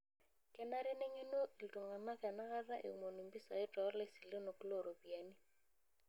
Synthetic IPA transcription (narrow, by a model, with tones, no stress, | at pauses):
kɛ˨na˦ɾɛ˦ne˦ŋe˦no˦ʔi˨lto˨ŋa˨na˦kɛ˨na˦ka˦ɾa˦ʔḛ˨u˨mo˨ni˨mbi˦sa̰˨ɪ˦tɔ˨˦lɛ˦si˨le˦no˨ku˦lo˦˨ɾo˨pi˨a˨ni˦